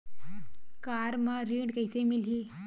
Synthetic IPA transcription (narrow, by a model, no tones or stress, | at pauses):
kaɾmaɾiɳɖkajsemilɦi